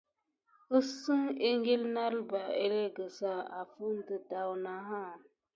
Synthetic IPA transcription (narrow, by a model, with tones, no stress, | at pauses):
ə˦sɨ˦ŋe˦ŋɡe˦lna˦ɾba˨e˦le˦ɡə˨sa˦˨a˨fu˦n˦də˨da˨wna˨ɦa˦˨